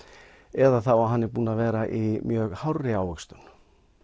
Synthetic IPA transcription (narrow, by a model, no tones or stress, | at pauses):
ɛðaθawaɦanːɪpuːnavɛːɾaʔimjœːɣhawrːɪawvʏkst̪ʏn